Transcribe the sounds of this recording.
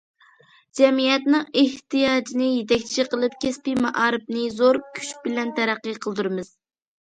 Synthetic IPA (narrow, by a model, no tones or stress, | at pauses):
d͡ʒɛmijɛt̪nɨŋeht̪ijɑːd͡ʒinɨjet̪ɛkʲt͡ʃʰʃiqəlˠɨp̚kʲʰɛspɪmɑʔɑːɾɨp̚nɨzoɾkʲʰy̥ʃbɪlɛnt̪ʰæɾæqːɨqʰəlˠd̪uɾɨmɨz̥